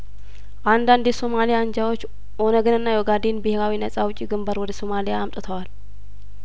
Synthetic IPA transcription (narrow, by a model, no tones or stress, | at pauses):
ʔand̪and̪jɛsomalijand͡ʒawot͡ʃː | ʔo̞nəɡɨnɨnːajoɡad̪enbɨhɪɾawinəsʼawʊt͡ʃʼiɡɨmbaɾwɔd̪əso̞malijaːmt̪ʼɨt̪ʰəwal